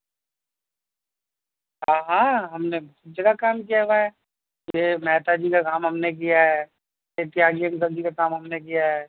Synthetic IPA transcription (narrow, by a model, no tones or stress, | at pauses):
ɦãɦãɦɐmnebɐɦt̪̚d͡ʒɐɡakaːmk̬ijaʋaɛ | jemɛːt̪ad͡ʒikakaːmɦɐmnek̬ijaɦɛː | jet̪jaːɡijə̃ŋɡɐld͡ʒikakaːmɦɐmnek̬ijaɦɛː